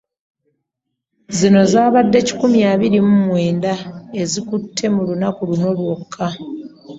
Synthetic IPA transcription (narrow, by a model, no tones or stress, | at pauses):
zino̞zaːβadːe̞ci̥kumjaːβiɾimumwe̞ːndae̞zikutʰːe̞mulunakuluno̞lwo̞kʰːa